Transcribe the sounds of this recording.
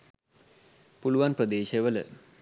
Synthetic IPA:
puluʋanprəd̪eːɕəʋələ̰

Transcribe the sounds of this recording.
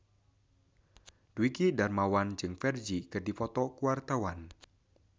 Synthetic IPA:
d̥uikidarmawand͡ʒɨŋfɛrd͡ʒikɨrdifɔt̪ɔkuwart̪awan

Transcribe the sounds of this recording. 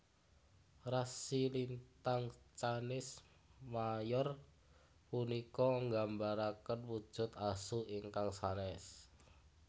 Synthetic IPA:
rasilint̪aŋt͡ʃanɪs | majɔr | punikɔŋɡambaɾakənwud̥ʒ̥ʊ̤t̪asuiŋkaŋsanɛs

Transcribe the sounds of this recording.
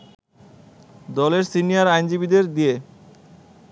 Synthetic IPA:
d̪ɔleɾsinijaɾajnd͡ʑibid̪eɾd̪ie

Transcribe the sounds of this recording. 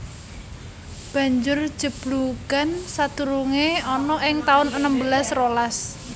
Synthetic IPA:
b̥a̤ɲd͡ʒʊr̥d͡ʒ̥ə̤b̥luɡ̥ansat̪uɾuŋeɔnɔʔɪŋt̪aʊnənəmbəlasrolas

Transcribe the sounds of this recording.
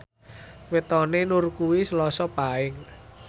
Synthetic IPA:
wet̪ɔnenurkuwisəlɔsɔpaɪŋ

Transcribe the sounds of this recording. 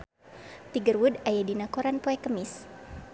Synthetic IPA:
t̪iɡərwudajɛdinakoɾanpoɛkəmis

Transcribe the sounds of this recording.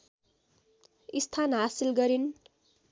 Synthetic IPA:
ist̪ʰanɦasilɡʌɾin

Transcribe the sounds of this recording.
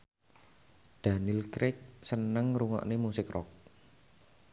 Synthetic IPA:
d̪̥anɪlkɾɪk̚sənəŋɾuŋɔ̰ʔnemusɪkrɔ̰k̚

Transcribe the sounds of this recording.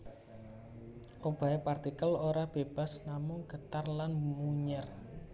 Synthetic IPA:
ʔob̥a̤epart̪ikəloɾab̥eb̥a̤snamʊŋɡ̥ət̪arlanmuɲər

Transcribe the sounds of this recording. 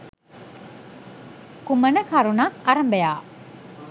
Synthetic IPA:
kumənəkʰaɾunakaɾəmbəjaː

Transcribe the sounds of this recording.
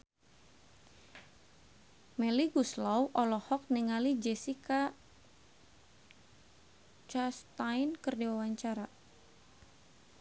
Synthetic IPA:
mɛliɡuslawʔɔlɔhɔk̚niŋalid͡ʒɛsika | t͡ʃast̪ajnkərdiwawaɲt͡ʃaɾa

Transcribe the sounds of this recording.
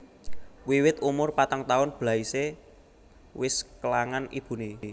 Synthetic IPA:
wiwɪt̪umʊrpat̪əŋt̪aʊnb̥la̤ise | wɪskəlaŋanḭb̥ṳne

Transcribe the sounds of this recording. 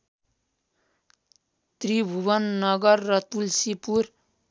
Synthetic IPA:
t̪ribʱubʌnːʌɡʌrːʌt̪ulsipuɾ

